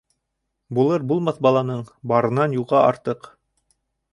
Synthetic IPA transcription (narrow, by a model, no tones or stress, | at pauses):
bulˠɤɾbulˠmɑθbɑlˠɑnɤɴbɑɾɤ̆nɑnjulˠʁɑʔɑɾt̪ɤq